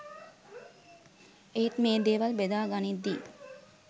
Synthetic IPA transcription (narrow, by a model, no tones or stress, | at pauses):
et̪meːd̪eːʋalbed̪aːɡanid̪ːiː